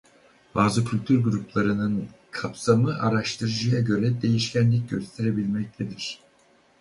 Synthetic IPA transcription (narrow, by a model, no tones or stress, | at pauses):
b̥aːzɯkʰylʲt̪ʰyɾɡuɾuplˠaɾɯnɯn | kʰapsamɯʔaɾaʃt̪ʰɯɾɯd͡ʒɯjaɟø̞ɾɛd̪e̞jiʃcʰænlʲic̚ɟø̞st̪ʰeɾe̞bilʲmɛc̚t̪ʰed̪iɾ̥